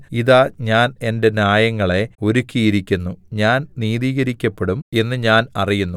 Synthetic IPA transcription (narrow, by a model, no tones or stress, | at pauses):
iðaːɲaːne̞nde̞naːjɐŋːɐɭe̞o̞ɾukʲːijiɾikʲːunːuɲaːnniːðiːɣɐɾikʲːɐpːeɽume̞nːɨɲaːnɐrijunːu